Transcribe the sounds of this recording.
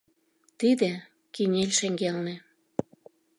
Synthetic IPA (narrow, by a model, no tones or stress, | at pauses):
t̪id̪ĕ | kinʲelʲʃĕŋɡelnĕ